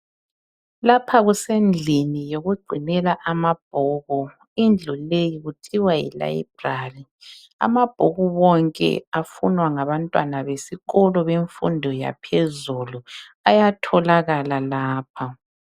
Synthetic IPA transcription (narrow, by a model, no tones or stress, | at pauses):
lapʰaɣusend͡ɮʱinijoɣuɡ͡ǀʱinɛlaʔamab̥̚ʱɔːɣɔ | ind͡ɮʱulejiɣutʰiwajḭla̰jḭb̥̚ʱraːli | a̰mab̥ʱɔɣuβɔŋkʼɛ̰afṵnwaŋaβantʼwanaβesiɣɔlɔβeɱfṵndʱɔja̰pʰezulu | ajatʰɔlaɣalalaːp̚ʰa